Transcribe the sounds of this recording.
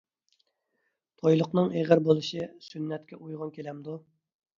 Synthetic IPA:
t̪ʰojlˠʊqnɨŋeʁəɾbolˠɨʃisynːɛt̪kʲɛʔujʁɑnkʲʰelɛmd̪u

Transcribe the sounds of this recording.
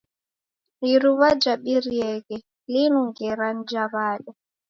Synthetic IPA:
iɾuβad͡ʒaɓiɾiɛɣɛ | linuŋɡɛɾan̩d͡ʒaβaːɗɔ

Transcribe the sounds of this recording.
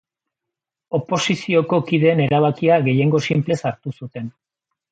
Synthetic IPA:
o̞po̞sisio̞ko̞kiðe̞ːne̞ɾaβ̞akiaɣe̞je̞ŋɡo̞simple̞saɾt̪usut̪e̞n

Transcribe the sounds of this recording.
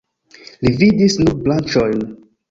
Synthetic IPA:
lividisnuɾblant͡ʃojn

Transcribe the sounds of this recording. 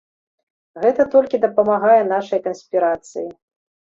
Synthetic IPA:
ɣɛt̪ɐt̪ɔlʲkʲid̪ɐpɐmaɣajɛn̪aʂɐjkɐnsʲpʲiɾat̪sɨji

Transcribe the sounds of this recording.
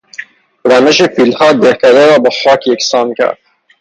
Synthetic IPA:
ɾæmeʃefilhɒːd̪ehkʲæd̪eɾɒːbexɒːkʰjeksɑːmkʲʰæ̰ɾd̪̥̚

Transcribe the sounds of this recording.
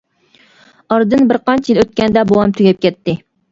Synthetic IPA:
ɑɾd̪ɨnbɪɾqɑnt͡ʃʰijiløt̪̚kʲɛnd̪ɛbowɑmt̪ʰyɡʲɛp̚kʲʰɛt̪ːɪ

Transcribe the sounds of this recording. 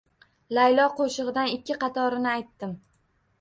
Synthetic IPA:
lajlˠɒqoʃɨʁɨd̪anɪkʲːɪqʰɑt̪ʰɒɾɪnɪajt̪ːɪm

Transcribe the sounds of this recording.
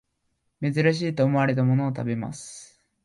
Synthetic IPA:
me̞zɨɾaɕ̬iːt̪o̞ːmo̞aɾe̞t̪̬amo̞no̞ːt̪abe̞ma̰sɨ̥

